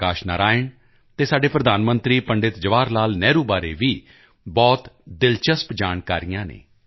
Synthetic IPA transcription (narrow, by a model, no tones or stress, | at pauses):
kaːʃnaːɾaːɪn | t̪eːsaːɖeːpɾəd̪ʱaːnmə̃nt̪ɾiːpəɳɖɪt̪d͡ʒəʋaːɾlaːlnɛːɾuːbaːɾeːʋiː | bɔːt̪d̪ɪlt͡ʃəspd͡ʒaːnkaːɾijãːnḛː